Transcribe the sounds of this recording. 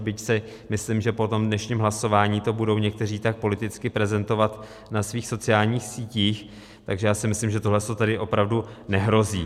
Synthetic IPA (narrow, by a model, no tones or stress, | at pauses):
bɪcsɪ | mɪslimʒɛpo̞t̪o̞mdnɛʃɲiːmɦlaso̞vaːɲiːt̪o̞budo̞wɲɛk̚t̪ɛriːt̪ak̚po̞lɪt̪ɪt͡skɪpɾɛzɛnt̪o̞vat̪ | nasviːxso̞t͡sɪaːlɲiːxsiːciːx | t̪aɡʒɛjaːsɪmɪslimʒɛt̪oɦlɛst̪ot̪ɛdɪʔo̞pɾavdunɛɦɾo̞ziː